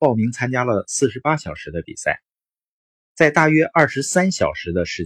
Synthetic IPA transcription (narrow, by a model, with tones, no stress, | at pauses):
ɑ˥˩ʊmi˧˥ŋt͡sʰa˥nt͡ɕja˥lə˨sɹ̩˥˩ʂɻ̩˧˥pa˥ɕjɑ˨˩ʊʂɻ̩˧˥d̪ə˧pḭ˨˩sa˥˩ɪ | t͡sa˥˧ɪt̪a˥˩ɥɛ˥ʔɐ˞˥˩ʂɻ̩˧˥sa˥nɕjɑ˨˩ʊʂɻ̩˧˥d̪ə˧ʂɻ̩˥˩